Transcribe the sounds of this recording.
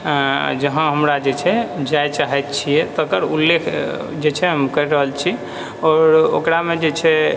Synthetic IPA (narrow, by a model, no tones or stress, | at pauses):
d͡ʒəɦãɦəmɾad͡ʒet͡ʃʰɛd͡ʒajt͡ʃaɦɛt̪t͡ʃʰiɛt̪əkəɾṵlːekʰ | d͡ʒet͡ʃʰɛɦəmkəɾɾəɦəlt͡ʃʰi | ɔːɾo̰kɾamed͡ʒet͡ʃʰɛ